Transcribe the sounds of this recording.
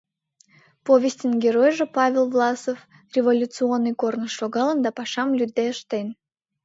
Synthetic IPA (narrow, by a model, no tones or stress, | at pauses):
povʲesʲtʲənɡʲeɾojʒepɑvʲelˠvlˠɑsof | rʲevolʲut̪t͡sɨonːɨjkornəsːoɣɑlənd̪ɑpɑʃɑmlʲyd̪ːeəʃt̪en